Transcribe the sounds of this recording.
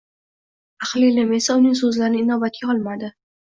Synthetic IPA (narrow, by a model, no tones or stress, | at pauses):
aχlilɪme̞saʊnɪŋsɵzlaɾɪnɪɪnɒbat̪̚kʲaɒlˠmad̪ɪ